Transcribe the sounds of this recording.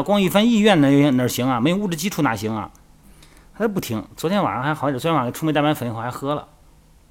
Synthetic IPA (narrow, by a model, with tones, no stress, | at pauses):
kwɑ˥ŋi˥˧fə˥ni˥˧ɥɛ˥˩nnə˧˨˩nə˧˩ɕi˧˥ŋɐ˨me˧˥ɪjʊu˥˧˩ʈ͡ʂɻ̩˥˧t͡ɕi˥ʈ͡ʂʰu˧˥na̰˧˩ɕi˧˥ŋɐ̰˨ | ta˥ə˧p̬u˥˩t̪ʰi˧˥ŋt͡swɔ˧˥t̪ʰjɛ˥nwa̰˨˩ɻə˧˥xxsjʈ͡ʂʰm˥t̪a˥˩pa˥nfə˨˩n˥xxxɤ˥lə̰˨